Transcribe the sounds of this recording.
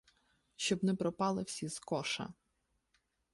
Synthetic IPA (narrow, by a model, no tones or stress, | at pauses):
ʃt͡ʃɔbnɛpɾɔpɑlˠɪwsʲizkɔʃɐ̰